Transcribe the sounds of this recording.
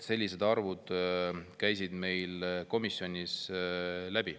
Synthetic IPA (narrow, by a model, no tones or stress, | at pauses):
se̞lʲːise̞d̪̥ɑrvud̪̥kæjsid̪̥me̞jlko̞misjo̞nʲis | læb̥i